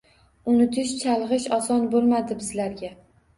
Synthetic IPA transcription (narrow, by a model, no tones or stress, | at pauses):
ʊnɪt̪ʰɪʃt͡ʃʰalˠʁɨʃɒsɒnbolˠmad̪ɪbɪzlaɾɡʲa